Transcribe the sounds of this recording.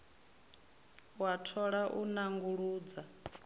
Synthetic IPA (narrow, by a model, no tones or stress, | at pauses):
watʰɔɺaʔunaŋɡuɺuːd͡za